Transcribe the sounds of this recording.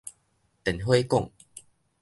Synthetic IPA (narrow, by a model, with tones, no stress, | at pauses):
t̪ɛ˨˩nɦwe˦kɔ̰˥˨ŋ